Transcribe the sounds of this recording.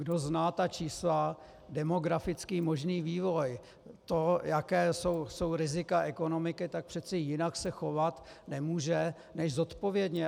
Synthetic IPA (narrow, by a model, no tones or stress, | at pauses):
ɡdo̞znaːt̪at͡ʃiːsla | dɛmo̞ɡɾafɪt͡skiːmo̞ʒniːviːvo̞j | t̪o̞jakɛːso̞wso̞wɾɪzɪkaʔɛko̞no̞mɪkɪt̪ak̚pr̥ɛt̪t͡sɛjɪnaksɛxo̞vat̪ | nɛmuːʒɛ | nɛʒzo̞t̪po̞vjɛdɲɛ